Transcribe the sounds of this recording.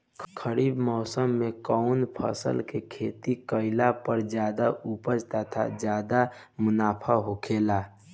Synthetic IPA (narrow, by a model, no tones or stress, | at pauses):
kʰəɾiːbmɔːsəmːekɔʊnpʰə̰sə̰lkekʰeːt̪ikəɪlapəɾd͡ʒjaːd̪aʔupəd͡ʒt̪ət̪ʰa̰d͡ʒjaːd̪a | mʊnaːpʰaɦokʰeːla